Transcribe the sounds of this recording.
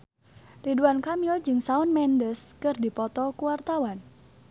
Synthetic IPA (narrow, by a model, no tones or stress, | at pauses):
riduankamild͡ʒɨŋsaʊnmɛndəskɨrdipɔt̪ɔkuwart̪awan